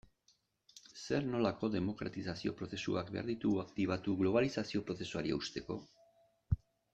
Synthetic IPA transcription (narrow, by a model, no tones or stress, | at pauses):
se̞ɾno̞lako̞ðe̞mo̞kɾa̰t̪isasio̞̰pɾo̞θe̞suakbe̞a̰ɾðit̪uɣuakt̪iβ̞at̪uɣlo̞β̞alisasio̞pɾo̞θe̞suaɾiḛust̪e̞ko̞